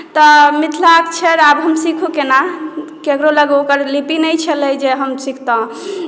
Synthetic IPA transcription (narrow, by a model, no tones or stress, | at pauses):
t̪ɔmit̪ʰlakt͡ʃʰɛɾabɦəmsikʰukenakeəkɾoləɡokəɾlipinəjt͡ʃʰɛləd͡ʒeɦəmsikʰt̪ɔ̃